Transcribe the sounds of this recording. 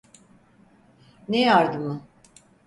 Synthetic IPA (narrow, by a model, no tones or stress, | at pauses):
nejaɾd̪ɯmɯ